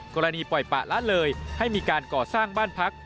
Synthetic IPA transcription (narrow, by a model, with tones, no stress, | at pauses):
kɔː˧ɾa˧niː˧pɔ˨˩jpa̰˨˩ʔla˦˥ʔlɤː˧jha˥˩jmiː˧kaː˧nkɔː˨˩saː˥˩ŋbaː˥˩npʰa˦˥k̚